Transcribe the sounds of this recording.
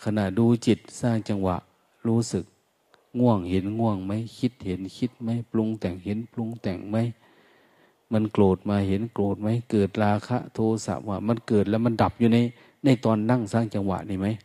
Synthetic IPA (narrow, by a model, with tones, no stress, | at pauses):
kʰa˧na˧˩ʔduː˧t͡ɕi˨˩t̪̚saː˧˩ŋt͡ɕa˧ŋwa̰˧˨ʔ | ɾuː˧˦sɯ˨˦k̚ | ŋu˧˥˩əŋhe˨˦nŋu˧˩əŋma˧˥jkʰi˧t̪̚he˨˦nkʰi˧˥t̪̚ma˧˥˨jplo˧ŋt̪ɛ˨˩ŋhe˨˦nplu˧ŋt̪ɛ˨˩ŋma˧˥˨j | ma˧˥˨nkloː˨˩t̪̚maː˧he˨˦nkloː˨˩t̪̚ma˧˥˩jkɤː˨˩t̪̚ɾaː˧kʰa̰˧˥ʔt̪ʰoː˧sa̰˧˦p̚waː˧˩ma˧˥˨nkɤː˨˩t̪̚lɛ˧˥ma˧˥˨nda˨˩p̚juː˧na˧˥˨j | na˧˩jt̪ɔː˧nːa˧˥˨ŋsaː˧˩˨ŋt͡ɕa˧ŋwa̰˧˨ʔni˧˩˨ma˦˥j